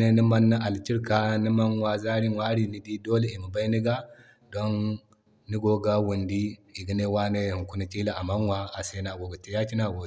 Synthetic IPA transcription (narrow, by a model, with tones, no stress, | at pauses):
ne˦ni˦ma˦nːa˦ʔa˨lt͡ʃi˦ɾka˦ni˦ma˦nwa˦za˦ɾi˦wa˦ɾi˨ni˦di˦do˦le˦i˨mu˨ba˦i˦ni˦ɡa˦ | do˦nː | i˦ɡo˨ɡa˦wu˨ndi˦i˨ɡi˨˦ne˦wa˦ne˦˨hi˨ku˦ni˦t͡ʃʼi˦la˦a˨ma˦nwa˦a˨se˦na˨ɡo˨ɡa˨te˨ja˦t͡ʃi˦na˨ɡo˨